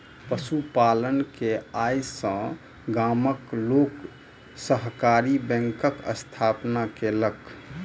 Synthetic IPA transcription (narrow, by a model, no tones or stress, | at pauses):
pəsupalənkeajsə̃ | ɡaməklok | səɦkaɾibɛ̃ŋkəkə̰st̪ʰapnakelək